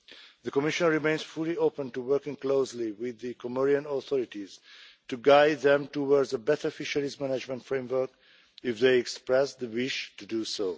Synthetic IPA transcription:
ðəkɔmɪʃə̃nɹimẽɪ̃nz̥fʊlioʊpə̃ntuwɜ˞kɪ̃ŋkloʊsliwɪðɨkʰɔmɔɹiə̃nɔθɔɹɪtiz̥tuɡaɪd̪̚ðɛ̃mtɔwɔɹdzəbɛtəɹɔfɪʃəlizmænad͡ʒmə̃ntfɹẽɪ̃mwə˞k | ɪfðeɪɛkspɹɛsðəwɪʃtudusoʊ

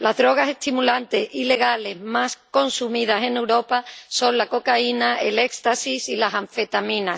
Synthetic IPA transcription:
lazðɾo̞ɣ̞ase̞st̪imulant̪e̞sile̞ɣ̞ale̞zmasko̞nsumið̞ase̞newɾo̞paso̞nlako̞kainae̞le̞kst̪asisilasaɱfe̞t̪amĩnas

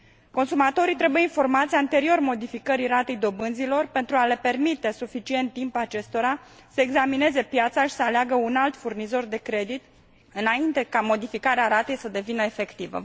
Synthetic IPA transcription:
ko̞nsumat̪o̞ɾit̪ɾe̞bujeinfo̞rmat̪sʲant̪e̞ɾio̞rmo̞d̪ifikəɾiɾat̪e̞jd̪o̞bɨnzilo̞rpe̞nt̪ɾuale̞pe̞rmit̪e̞sufit͡ʃie̞nt̪ːimpat͡ʃe̞st̪o̞ɾa | səeɡzamine̞ze̞pjat̪saʃi̥səaleaɡəunalt̪furnizo̞rd̪e̞kɾe̞d̪it̪ | ɨnaint̪e̞kamo̞d̪ifikaɾeaɾat̪e̞jsəd̪e̞vinəefe̞kt̪ivə̰

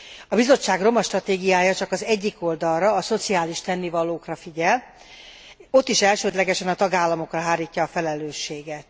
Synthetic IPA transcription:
ɒbizo̞t͡ʃːaːɡro̞mɒʃt̪rɒt̪eːɡijaːjɒt͡ʃɒkɒzɛɟːiko̞ld̪ɒlrɒːso̞t̪siaːliʃt̪ɛnːivɒloːkrɒfiɟɛl | o̞t̪ːiʃɛlʃøːd̪lɛɡɛʃɛnɒt̪ɒɡaːlːɒmo̞krɒɦaːɾiːcːɒːfɛlɛløːʃːeːɡɛt̪

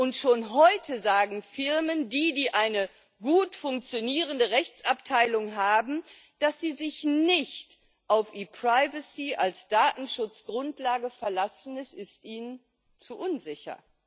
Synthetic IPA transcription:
ʔʊntʃoːnɦɔʏtʰəzaːɡŋ̩fɪʁməndiːdiːʔaɪnə | ɡuːtfʊŋk̚t͡sjoniːʁəndəʁɛçt͡saptʰaɪlʊŋɦaːbm̩ | d̥asz̥iːzɪçnɪçt | ʔaʊfʔiːpʁ̥aɪvəsiʔalsd̥aːtn̩ʃʊt͡sɡ̥ʁʊntlaːɡəfɛɐlasn̩ɛsɪstʔiːnən | t͡suʔʊnzɪçɐ̰

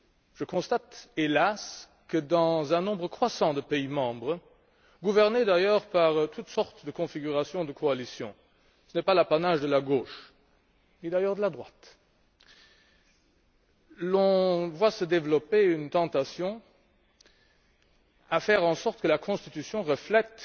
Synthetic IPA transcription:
ʒ̥əkɔ̃st̪at̪elas | kəd̪ɑ̃zɛ̃nɔ̃bʁəkχwasɑ̃d̪əpeimɑ̃bʁə | ɡuvɛʁned̪ajœːʁpaʁt̪ʰut̪sɔʁt̪d̪əkɔ̃fiɡyʁasjɔ̃d̪əkʰoalisjɔ̰̃ | sənɛpalapanaːʒd̪əlaɡoːʃ | nid̪ajœːʁd̪əlad̪ʁwat̪ | lɔ̃vwasəd̪evlɔpeynt̪ɑ̃t̪asjɔ̃ | afɛʁɑ̃sɔʁt̪əkəlakʰɔ̃st̪it̪ysjɔ̃ʁəflɛt̪

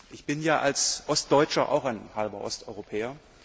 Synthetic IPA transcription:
ʔɪçb̥ɪnjaːʔalsʔɔst̚d̥ɔʏt͡ʃɐʔa̰ʊxaɪnhalbɐʔɔ̰stʔɔʏʁopʰɛːɐ

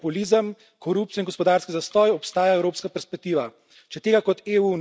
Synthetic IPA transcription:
puliːzəm | kʰɔɾup̚t̪ijɔinŋɡɔspɔd̪aːɾskizast̪ɔːjɔpst̪aːjaɛwɾoːpskapɛɾspɛk̚t̪iːʋa | t͡ʃɛt̪eːɡakɔt̪eːun

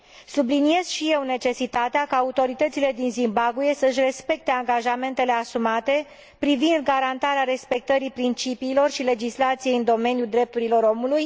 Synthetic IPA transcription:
sublinije̞z̥ʃije̞wne̞t͡ʃe̞sit̪at̪eakaːut̪o̞ɾit̪ət̪sile̞d̪inzimbaɡuje̞səɨʃ̬ʲre̞spe̞k̚t̪e̞aŋɡaʒame̞nt̪e̞le̞asumat̪e̞ | pɾivind̪ɡaɾant̪aɾeaɾe̞spe̞k̚t̪əɾipɾint͡ʃipiːlo̞rʃile̞d͡ʒislat̪sije̞jɨnd̪o̞me̞njuld̪ɾe̞p̚t̪uɾilo̞ɾo̞muluj

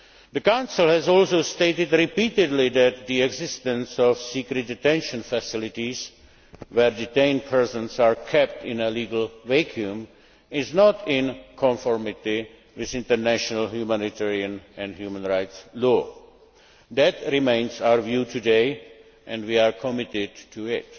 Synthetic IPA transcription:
d̪əkãʊ̃nsɪl̩ˠhɛzɔlsoʊsteɪtɪdɾɪpiːtɪdlid̪æt̪̚d̪iɛɡzɪstə̃nsɔfsiːkɾɨt̚dɪtɛ̃nʃə̃nfəsɪlɪtiz | wɛɾditẽɪ̃nd̚pʰɛɹsə̃nsaɹkʰɛp̚tɪ̃nəliːɡəlvɛkʰjũm | ɪznɔtʰɪ̃nkʰɔ̃ɱfɔɹmɪti | wɪðɪ̃ntəɹnæʃənəlhjumænitʰɛɹiə̃nɛ̃nhjuːmə̃nɹaɪtslɔː | d̪ætɾɪmẽɪ̃nsaʊəɹvjuːtʰudeɪ | ʔɛ̃ndwiaɹkʰɔmɪtɪdtʰuɪt

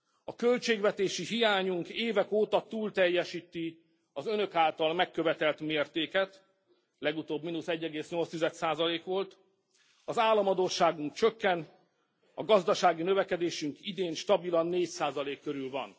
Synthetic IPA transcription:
ɒkølt͡ʃeːɡʋɛt̪eːʃiɦijaːɲuŋkeːvɛkoːt̪ɒt̪uːlt̪ɛjːɛʃiːt̪i | ɒzønø̞kaːlt̪ɒlmɛkːøvɛt̪ɛlt̪meːrt̪eːkɛt̪ | lɛɡut̪oːbminusɛɟːɛɡeːsɲo̞lst̪izɛt̪saːzɒleːkʋo̞lt̪ | ɒzaːlːɒmɒd̪oːʃaːɡuŋk̚t͡ʃø̞kːɛn | ɒɡɒzd̪ɒʃaːɡinø̞vɛkɛd̪eːʃyŋkid̪eːnʃt̪ɒbilɒnːeːcsaːzɒleːkːøɾylvɒ̰n

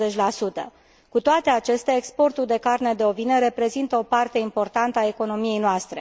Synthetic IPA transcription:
et͡ʃʲlasut̪ə̰ | kut̪oat̪e̞at͡ʃe̞st̪eaekspo̞rt̪uld̪e̞karne̞d̪eo̞vinəɾe̞pɾe̞zint̪əo̞part̪e̞impo̞rt̪ant̪əae̞ko̞no̞mije̞jnoast̪ɾe̞

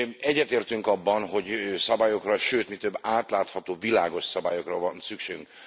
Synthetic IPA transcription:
ɛɟːɛt̪eːrt̪yŋkɒbːɒnɦo̞ɟsɒbaːjo̞krɒʃøːt̪mit̪øbːaːt̪laːt̪hɒt̪oːvilaːɡo̞ʃsɒbaːjo̞krɒvɒnsykʃeːɡyŋk

